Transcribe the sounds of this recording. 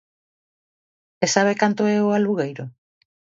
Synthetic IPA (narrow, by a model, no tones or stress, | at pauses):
esaβ̞ekant̪oɛoaluɣejɾo